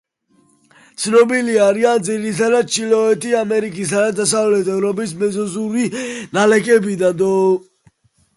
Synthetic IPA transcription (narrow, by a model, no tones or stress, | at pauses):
t̪sʰnɔbiliaɾiand̪ziɾit̪ʰad̪ad̪̚t͡ʃʰilɔɛt̪ʼiamɛɾikʼisad̪ad̪asavlɛt̪ʰɛvɾɔbʼismɛzɔzuɾinalɛkʼɛbid̪and̪ɔ